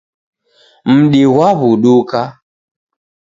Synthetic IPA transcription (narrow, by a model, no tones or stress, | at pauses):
m̩ɗiɣwaβuɗuka